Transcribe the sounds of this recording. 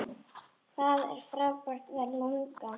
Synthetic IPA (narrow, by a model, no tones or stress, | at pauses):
θaðɛ̰ɾ̥fɾavpɔr̥t̪vɛðloŋka